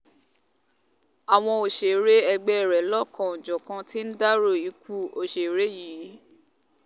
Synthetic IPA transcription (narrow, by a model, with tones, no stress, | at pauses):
a˨w̃ɔ̃˧o˨ʃe˨ɾe˦ɛ˧ɡ͡bɛ˦ɛ˦˨ɾɛ˨˦lɔ˦˨kʰã˨o˨d͡ʒɔ˨kã˧ti˦n̩˦da˦ɾo˦˨i˧kʰu˦o˧˨ʃe˨ɾe˦ji˨˦